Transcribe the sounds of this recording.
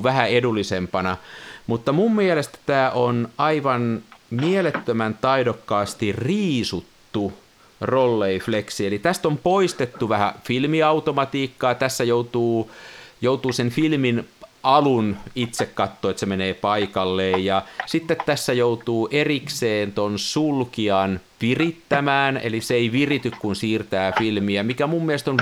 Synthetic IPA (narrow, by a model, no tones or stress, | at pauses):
ʋæhæedulːisempɑnɑmut̪ːɑmummielest̪æ̥t̪æːʔonɑiʋɑnmielet̪ːømænt̪ɑidokːɑːst̪irriːsut̪ːu | rolːeifleksielit̪æst̪ompoist̪et̪ːuʋæhæ̰filmiɑut̪omɑt̪iːkːɑːt̪æsːæjout̪uːjout̪uːsenfilminɑlunit̪sekkɑt̪ːoːet̪semeneːpɑikɑlːeːjjɑsit̪ːet̪t̪ːæsːæjout̪uːʔerikseːnt̪onsulkiɑnʋirit̪ːæmæːnḛliseeiʋirit̪ykkunsiːrt̪æːfilmiæmikæmumːielest̪on